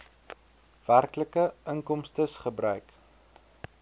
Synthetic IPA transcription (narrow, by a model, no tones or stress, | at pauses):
v̥ærkləkəəŋkɔmstəsχəbrœɥk